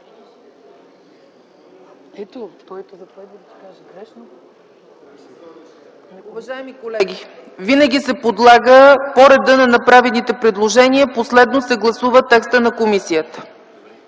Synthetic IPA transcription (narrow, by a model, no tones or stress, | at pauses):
ɛt̪okj | aɛn | ʊvɐʒaɛmikolɛɡʲi | vinəɡʲisɛpod̪lˠaɡəpoɾɛd̪ənɐnɐpɾavɛnit̪ɛpɾid̪lˠoʒɛniəposlɛd̪nosɛɡlˠɐsuvət̪ɛkst̪ənɐkomisijət̪ə̥